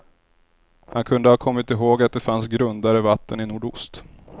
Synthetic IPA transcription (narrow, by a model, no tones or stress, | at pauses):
hankʰɵnd̪əhɑːkʰɔmːɪt̪ɪɦoːɡat̪̚d̪ɛfansɡɾɵnd̪aɾəvat̪ːənɪnuːɖʊst̪